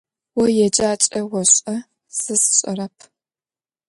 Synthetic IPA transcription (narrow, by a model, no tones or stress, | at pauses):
wɔjɛd͡ʒaːt͡ʃʼɐwɔɕʼɐ | sɨsɕʼɐ̰rɐpʰ